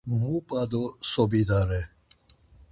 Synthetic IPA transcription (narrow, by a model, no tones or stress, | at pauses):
mupʼad̪ɔsɔbid̪aɾɛ